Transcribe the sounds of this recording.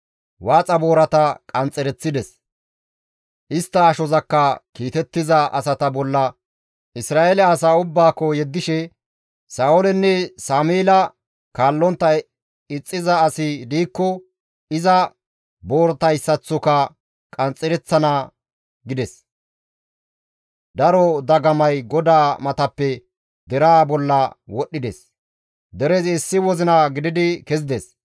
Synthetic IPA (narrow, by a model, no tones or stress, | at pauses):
waːt͡sʼɐbo̞ːɾɐt̪ɐkʼɐnt͡sʼːɛɾɛt͡sːɪd̪ɛs | ʔɪst̪ːɐːʃɔzɐkːɐkiːt̪ɛt̪ːɪzɐʔɐ̰sɐt̪ɐbɔlːɐ | ɪsɾaːʔɛlɛɐsaːʊbːaːkːɔjɛd̪ːɪʃɛ | saːɔlɛnːɛsaːmeːlɐ | kaːlːɔnt̪ːɐ | ɪt͡sʼːɪzɐːsɪd̪iːkːɔ | ɪzɐ | bo̞ːɾt̪ɐjsːɐt͡sːɔkɐ | kʼɐnt͡sʼːɛɾɛt͡sːɐnɐ | ɡɪd̪ɛs | d̪ɐɾɔd̪ɐɡɐmɐjɡɔd̪aːmɐt̪ɐpːɛ | d̪ɛɾaːbɔlːɐwɔɗːɪd̪ɛs | d̪ɛɾɛzɪsːɪwɔzɪnɐɡɪd̪ɪd̪ɪkɛzɪd̪ɛs